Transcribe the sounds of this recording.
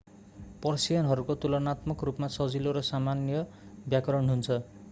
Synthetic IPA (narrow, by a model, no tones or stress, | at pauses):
pʌrsijʌnɦʌɾukot̪ulʌnat̪mʌkrupmasʌd͡ziloɾʌsamanjʌ | bjakʌɾʌnɦunt͡sʰʌ